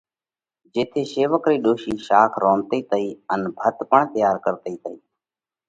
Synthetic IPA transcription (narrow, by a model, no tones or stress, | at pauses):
d͡ʒeːt̪ʰeːseːʋəkɾiːɗoːʃiːʃaːkʰɾõːnt̪iːt̪əiːənbʱət̪pəɳt̪jaːɾkəɾt̪əiːt̪əiː